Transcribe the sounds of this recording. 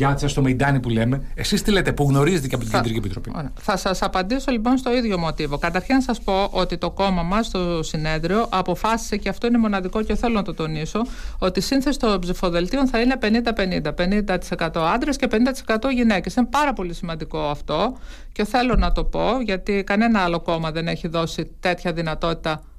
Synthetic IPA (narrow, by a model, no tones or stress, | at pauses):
ʝɐt̪i̥sɐst̪omeid̪ɐnipule̞me̞esist̪ilet̪epuɣno̞ɾizet̪eceɐpot̪iɟend̪iɾciepit̪ɾo̞pio̰ɾeθɐsɐsɐpɐnd̪iso̞lipo̞nst̪o̞iðʝo̞mo̞t̪ivo̞kɐt̪ɐɾçinɐsɐspo̞ʔo̞t̪it̪o̞ko̞mɐmɐst̪o̞sine̞ðɾio̞ʔɐpo̞fɐsi̥se̞ceɐft̪o̞ine̞mo̞nɐðiko̞ceθelo̞nɐt̪o̞t̪o̞niso̞ot̪isinθesi̥st̪obzifo̞ðe̞lt̪io̞nθɐine̞pe̞nind̪ɐpe̞nind̪ɐpe̞nind̪ɐt̪i̥se̞kɐt̪o̞ɐnd̪ɾesce̞pe̞nind̪ɐt̪isekɐt̪o̞ʝine̞ce̞sinepɐɾɐpo̞lisimɐnd̪iko̞ɐft̪o̞ | ce̞θe̞lo̞nɐt̪o̞po̞ʝɐt̪ikɐne̞nɐɐlo̞ko̞mɐðe̞ne̞çiðo̞sit̪e̞t̪çɐðinɐt̪o̞t̪i̥t̪ɐ